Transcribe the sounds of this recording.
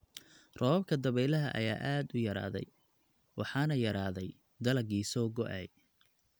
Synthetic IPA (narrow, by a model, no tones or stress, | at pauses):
rɔːbkʰɐd̪ɐβɛjlɐɦɐ̰ʔɐ̰ja̰ːʔaːd̪ʊjɐɾa̰ːðɛ̰j | wʔɑħɑːnɐjɐɾaːðɛj | d̪ɐlɐɡiːsɔːɡɔʔɛj